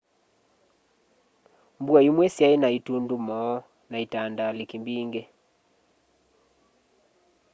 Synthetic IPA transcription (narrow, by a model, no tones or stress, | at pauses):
mbuaimwɛsjaenaitundumɔ | naitandalikimbiŋɡɛ